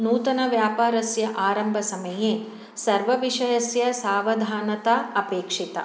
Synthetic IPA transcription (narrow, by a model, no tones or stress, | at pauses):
nuːt̪ɐnɐʋjaːpaːɾɐsjɐʔaːɾɐmbʱɐsɐmɐjeː | sɐɾʋɐʋiʂɐjɐsjɐsaːʋɐd̪ʱaːnɐt̪ɐɐpeːkʂit̪ɐ̰